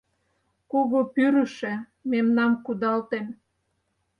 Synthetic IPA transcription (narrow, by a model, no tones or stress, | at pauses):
koɣopyɾə̆ʃĕ | memnɑmkud̪ɑlt̪em